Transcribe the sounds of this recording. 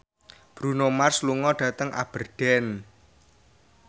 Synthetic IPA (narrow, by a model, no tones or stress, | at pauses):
b̥ɾunomarsluŋɔɖ̥ä̤t̪əŋʔa̰b̥ərɖ̥ɛn